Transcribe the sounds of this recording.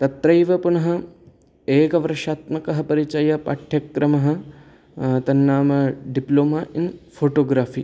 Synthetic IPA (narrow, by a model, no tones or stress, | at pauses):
t̪ɐt̪ɾɐjʋɐpunɐɦɐ̆ | eːkɐʋɐɾɐʃaːt̪mɐkɐɦɐpɐɾit͡ʃɐjɐpa̰ːʈʰjɐkɾɐmɐɦɐ̆ | t̪ɐnːaːmɐɖiploːmaːʔinfʰoːʈoːɡɾaːfiː